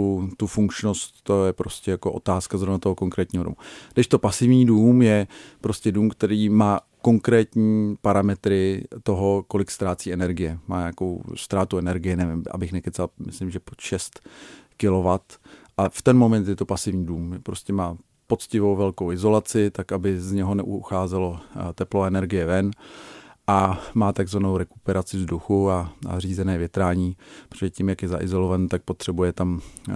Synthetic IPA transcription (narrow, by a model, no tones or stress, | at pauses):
ut̪ufuŋkt͡ʃno̞st̪ːojɛpɾoscɛjako̞ʔo̞̰t̪aːskazɾo̞vnat̪o̞ɦo̞ko̞ŋkɾɛːt̪ɲiːɦodo̰mṵdɛʃt̪o̞pasɪvɲiːduːmjɛpɾo̞scɛduːmkt̪ɛɾiːmaː | ko̞ŋkɾɛːt̪ɲiːpaɾamɛt̪ɾɪt̪o̞ɦo̞ko̞lɪkst̪ɾaːt͡siːɛnɛɾɡɪjɛmaːɲaːko̞̰wst̪ɾaːt̪uɛnɛɾɡɪjɛnɛvɪmʔa̰bɪxnɛkɛt̪t͡salmɪ̰slɪmʒɛpoʃɛst̪kɪlo̞vat̪ʔaft̪ɛnmo̞mɛnt̪jɛt̪o̞pasɪvɲiːduːmpɾoscɛmaː | po̞t͡scɪvo̞wvɛlkowɪzo̞lat͡sɪt̪akʔabɪzɲɛɦo̞nɛʔuxaːzɛlo̞t̪ɛploaɛnɛɾɡɪjɛvɛn | ʔamaːt̪aɡzvanowɾɛkupɛɾat͡sɪvzduxuaa̰riːzɛnɛːvjɛt̪ɾaːɲiːpɾo̥oʒɛcimjakjɛza̰ʔɪ̰zo̞lo̞vant̪ak̚po̞t̪r̝̥ɛbujɛt̪am